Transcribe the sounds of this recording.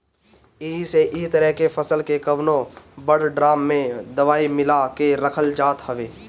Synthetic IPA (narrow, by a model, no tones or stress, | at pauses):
iːseʔit̪əɾɛɦkepʰəsəlkekəʋnõbəɽɖɾaːmːẽd̪əʋaːimɪlakeɾəkʰəld͡ʒaːt̪ɦəʋeː